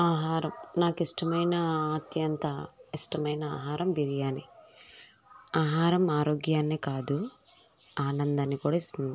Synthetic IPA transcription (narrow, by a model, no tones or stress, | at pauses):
aːɦaːɾɐmnaːkisʈɐmɐjnɐaːt̪jɐnt̪ɐisʈɐmɐjnɐa̰ːɦaːɾɐmbiɾijaːni | aːɦaːɾɐmaːɾoːɡjaːnːekaːd̪u | aːnɐnd̪ɐnikuːɽɐist̪und̪i